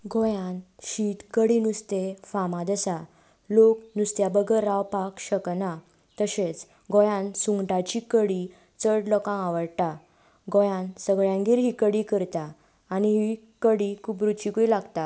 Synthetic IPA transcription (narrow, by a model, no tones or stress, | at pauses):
ɡojãnɕit̪kəɽinust̪efamãd̪əsa | loknust̪jabəɡəɾːawpakɕəkna | t̪əɕet͡s | ɡojãnsuŋɡʈat͡ɕikəɽi | t͡səʈlɔkãaʋəɾʈa | ɡojãnsəɡɭjãŋɡiɾɦikəɽikəɾt̪aː | niɦi | kəɽikʰuːpɾut͡ɕikuilaɡt̪a